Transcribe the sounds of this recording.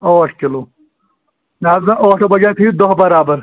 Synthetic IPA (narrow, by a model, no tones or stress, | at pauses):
oɐʈʰkɪloː | naːzɐʔoːʈʰobɐɡat̪ʰiːd̪oɦbɐɾaːbɐɾ